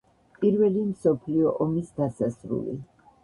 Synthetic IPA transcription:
pʼiɾvɛlimsɔpʰliɔʔɔmisd̪asasɾṵlḭ

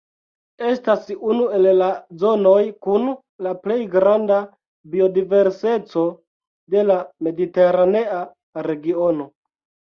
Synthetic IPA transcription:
e̞stasunue̞llazo̞no̞jkun | laple̞jɡɾanda | bio̞dive̞ɾse̞t͡so̞ | de̞lame̞dite̞ɾane̞a | ɾe̞ɡio̞no̞

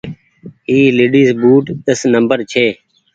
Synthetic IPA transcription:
iːleːɖiːsbuːʈd̪əsnəmbəɾt͡ʃʰeː

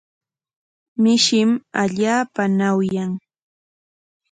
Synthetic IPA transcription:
mɪʃɪmaʎaːpanawjaŋ

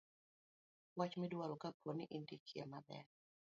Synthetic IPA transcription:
wat͡ʃmɪdwaɾɔkapʰɔniʔindikʰiḛmabɛ̰ɾ

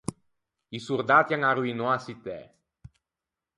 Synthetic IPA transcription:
isuɾd̪at̪jaŋaɾuinoasit̪ɛ̰

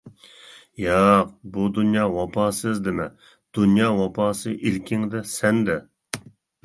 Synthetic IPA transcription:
jɑq̚bud̪unjɑːwɑpʰɑːsɨzd̪ɪmɛ | d̪̥unjɑːwɑpʰɑːsɨʔilkʲɪŋd̪ɛsɛnd̪ɛ

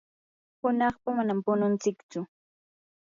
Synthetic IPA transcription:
hʊnɑχpamanampʊnʊnt͡sɪkt͡sʊ

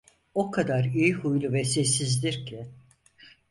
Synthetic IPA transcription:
o̞kʰad̪aɾijihujlˠuvɛsɛsizd̪iɾcʰɛ

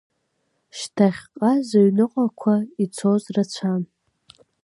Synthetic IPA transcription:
ʃtʰaχʲqʼazaɥnɨqʼakʷʰait͡sʰozrat͡ɕʷʰan

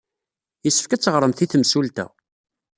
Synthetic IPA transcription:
jəsːə̥fkæt͡sːəʁɾˤəmθiθmsult̪æ̰

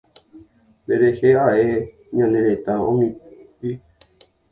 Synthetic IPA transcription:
nd̪eɾeheaʔe | ɲãneɾet̪aõmĩ | i

